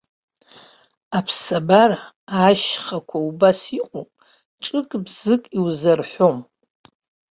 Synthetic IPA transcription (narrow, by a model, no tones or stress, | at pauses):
apʰsabar | aʃχakʷʰaubasiqʼopʼ | ʈ͡ʂʼɨkʼbzɨkʼiwzarħʷo̞m